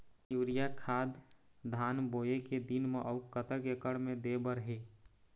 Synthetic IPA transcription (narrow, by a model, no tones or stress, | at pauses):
juːɾijakʰaːd̪ | d̪ʱaːnboːjeked̪inmeʔəʊkət̪əkekəɽmẽd̪ebəɾɦeː